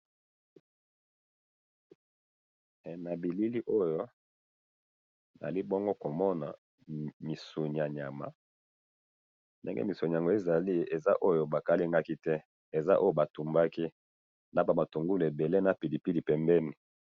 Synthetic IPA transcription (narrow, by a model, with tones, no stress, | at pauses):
na˨bi˨li˦li˦ʔo˦jo˦ | n˨li˦bo˦ŋɡo˦ko˨mɔ˦na̰˨ | mi˨su˨ɲi˨a˨ɲa˨ma̰˨ | ndḛ˦ŋɡḛ˦mi˨so˨ɲ˨a˨ŋɡo˨e˦za˨li˦e˨za˦ʔo˦jo˦ba˨ka˦li˦ŋɡa˦ki˦tɛ˦ | e˨za˦ʔo˦jo˦ba˨tu˨mba˦ki˦ | na˨˦ba˨ma˨to˨ŋɡu˦le˨be˨le˦na˨pi˨di˨pi˦li˨pɛ˨mbɛ˦ni˨